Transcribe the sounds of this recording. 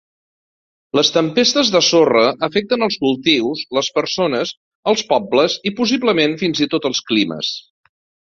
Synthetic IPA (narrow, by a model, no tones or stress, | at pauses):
ləst̪əmpest̪əzðəsorəʔːfɛk̚t̪ənəlˠskulˠt̪iwsləspəɾsonəz | əlˠspɔbləzipus̬ibləmenfinzit̪ot̪əlˠsklimə̰s